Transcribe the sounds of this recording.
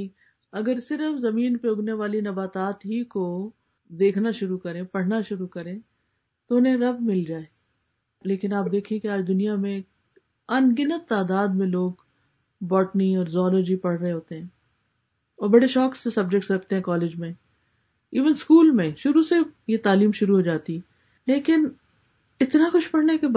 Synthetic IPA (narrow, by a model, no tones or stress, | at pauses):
i | ɐɡəɾsɪɾəfzɐmiːnpeʊɡneʋaːlinɐbaːt̪aːt̪ɦiko | d̪eːkʰnaʃʊɾukɐɾẽpɐɽ̤naʃʊɾukɐɾẽ | t̪oʊnɦẽɾɐbmɪld͡ʒaːe | leːkɪnaːp̚d̪eːkʰẽẽkeaːd͡ʒd̪ʊnijamẽ | ɐnɡɪnət̪ːaːd̪aːd̪̚mẽloːɡ | bɔːʈniɔːɾzɔːloːd͡ʒipɐɽ̤ɾəɦeɦoːt̪eɦɛ̃ː | ɔːɾbɐɽeʃɔːksːesɐbd͡ʒɛk̚ʈsɾɐk̚ʰt̪eɦɛ̃kɔːleːd͡ʒmẽ | iːʋənskuːlmẽʃʊɾusejet̪aːliːmʃʊɾuɦoːd͡ʒaːt̪iɛ | leːkɪn | ɪt̪naxʊʃpɐɽ̤naɦɛke